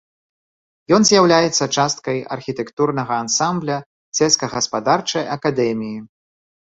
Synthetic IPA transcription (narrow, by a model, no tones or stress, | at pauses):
jɔnzʲjawlʲajɛt̪sːɐt͡ʂast̪̚kɐjɐ̰rxʲit̪ɛkt̪urnɐɣɐːnsamblʲɐ | sʲɛskɐɣɐspad̪art͡ʂɐjɐkad̪ɛmʲiji